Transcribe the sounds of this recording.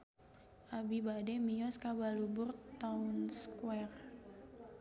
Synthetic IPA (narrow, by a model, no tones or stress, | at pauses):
ʔabibadɛmijɔskabalubʊrt̪aʊnskwɛr